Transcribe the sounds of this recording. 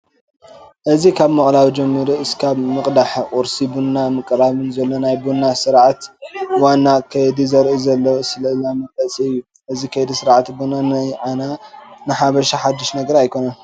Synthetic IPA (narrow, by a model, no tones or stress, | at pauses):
ʔɨzikʰaβmɨχʼlawid͡ʒɛmːiɾuɨskʰaβmɨqʼd̪aħqʼʊɾsibunːamɨkʼɾaβɨnzɐlːo̞najbunːasɨɾʕat̪wanːakʰɐjd̪izɐɾʔizɐlːɐwsɨlɐlamɐkʼɐsʼiɨjːu | ʔɨzikʰɐjd̪isɨɾʕat̪bunanajʕananɨħaβɐʃaħad̪ːiʃnɐɡɐɾajkʰo̞nɐn